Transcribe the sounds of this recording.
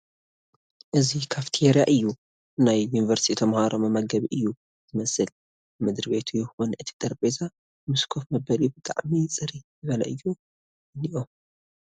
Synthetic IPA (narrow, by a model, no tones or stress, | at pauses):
ʔɨzikʰaβt̪ʰieɾjaʔɨjːu | najːunivɐɾst̪ʰit̪ʰɐmhaɾomɨmɐɡɐβiʔɨjːu | z̥ɨmɐsɨl | mɨd̪ɾbe̞t̪ʰujɪxunʔɨt̪ʰi̥t̪ʼɐɾbeza | mɨskʰo̞fmɐbɐljubɨt̪ʼa̰ʕmit͡sʼɨɾizɨβɐlɐ̰ʔɨjːu | ɨniʔom